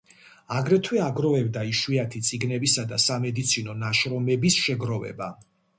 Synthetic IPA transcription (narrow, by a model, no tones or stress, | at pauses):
aɡɾɛt̪ʰwɛaɡɾɔvɛbd̪aiʃwiat̪ʰit̪sʼiɡnɛbisad̪asamɛd̪it̪sʰinɔnaʃɾɔmɛbisʃɛɡɾɔvɛ̰ba